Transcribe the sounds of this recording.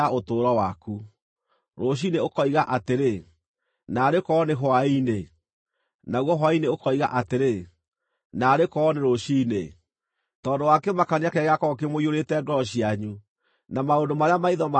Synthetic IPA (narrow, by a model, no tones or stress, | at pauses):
aotoːɾɔwaku | ɾoɕ̬ineokɔiɣaʔateɾe | naːɾekɔːneɦwaine | naɣɔɦwaineokɔiɣa̰ʔateɾe | naːɾekɔneɾoɕine | tɔːndowakɛmakaniakɛɣeakɔkemoioɾetɛɡɔɕiaɲu | namaondomaɾeamaiðɔma